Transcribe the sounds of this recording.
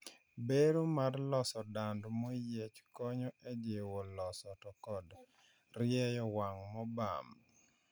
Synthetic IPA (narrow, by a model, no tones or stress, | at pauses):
beɾomarlɔsɔdandmɔjet͡ʃkɔɲɔɛd͡ʒewɔlɔsɔtɔkɔd | rɪjɛjɔwaŋmɔba̰m